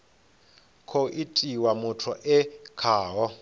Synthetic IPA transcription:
kʰoʔitʼiwamutʰɔʔɛkʰaːɦɔ

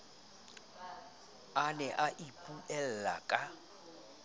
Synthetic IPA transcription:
anɛʔaʔipʼuʔɛl̩la̰kʼa

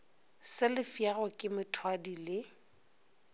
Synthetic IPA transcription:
sɪlɪfjarɔkʼɪmɪtʰwadilɪ

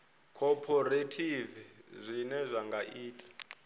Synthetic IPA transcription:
kʰɔpʰɔretʰivizʷinɛzʷaŋɡaʔiːtʼḁ

